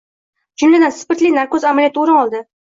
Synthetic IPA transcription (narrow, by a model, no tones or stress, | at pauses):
d͡ʒʊmlad̪anspɪɾt̪linaɾkozamalijat̪oɾɪnɒlˠd̪ɪ